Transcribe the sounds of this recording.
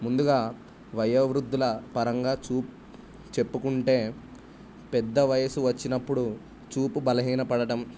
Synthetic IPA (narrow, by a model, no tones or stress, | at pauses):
mund̪uɡaː | ʋɐjɐʋɾud̪ːulɐpɐɾɐŋɡaːt͡ʃuːp | t͡ʃe̞pːukuɳʈe̞ː | pɛd̪ːɐʋɐjɐsuʋɐt͡ʃːinɐpːuɽu | t͡ʃuːpubɐlɐɦiːnɐpɐɽɐʈɐm